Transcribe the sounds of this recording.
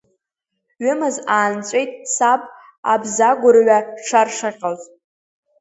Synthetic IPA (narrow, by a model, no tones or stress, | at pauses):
ɥɪmɨzaːnt͡sʷʼejtʼsapʼ | a̰bzaɡʷʊrɥaʈ͡ʂʰarʂaqʲʼaltʼ